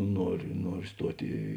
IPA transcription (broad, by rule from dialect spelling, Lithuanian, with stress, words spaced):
ˈnuɔrʲʊ ˈnuɔrʲʊ ˈstuɔtʲ iː